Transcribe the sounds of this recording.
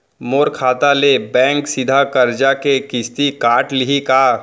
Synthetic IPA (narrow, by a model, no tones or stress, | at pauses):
moːɾkʰaːt̪alebɛ̃ːŋksɪd̪ʱakɐɾd͡ʒakekɪst̪ikaːʈlɪɦikaː